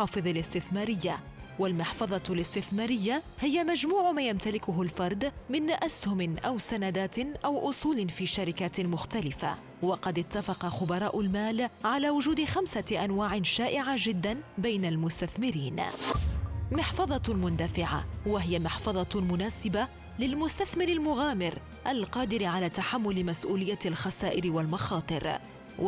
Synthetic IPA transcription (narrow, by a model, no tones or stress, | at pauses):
ɑːfɨðˤɑlɪst̪ɪθmaːɾɪjːawalmɪħfɑðˤɑlɪst̪ɪθmaːɾɪjːahɪjamad͡ʒmuːʕmaːjamt̪alɪkʊɦʊlfɑɾˤd̪ˤmɪnʔashʊmɪnʔawsanad̪aːt̪ʔawʔʊsˤuːlɪnfiːʃaɾɪkat̪mʊxt̪alɪfa̰ | wɑqɑd̪ɪt̪ːafɑqɑxʊbɑɾˤɑːʔʊlmaːlʕalaːwʊd͡ʒuːd̪ɪxamsaʔanwaːʕɪnʃaːʔɪʕad͡ʒɪd̪ːanbajnalmʊst̪aθmɪɾiːn | mɪħfɑðˤɑmʊnd̪afɪʕa̰waɦɪjamɪħfɑðˤɑmʊnaːsɪba | lɪlmʊst̪aθmɪɾɪlmʊɣaːmɪɾ | ʔalqɑːd̪ɪɾɪʕalaːt̪aħamːʊlɪmasʔuːlɪjːalxasaːʔɪɾɪwalmɑxɑːt̪ˤɨɾ